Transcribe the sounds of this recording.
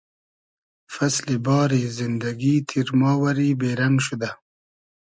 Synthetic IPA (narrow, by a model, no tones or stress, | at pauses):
faslibɑːɾizɪnd̪aɡit̪ʰiɾmɑːwaɾibeːɾaŋɡʃud̪a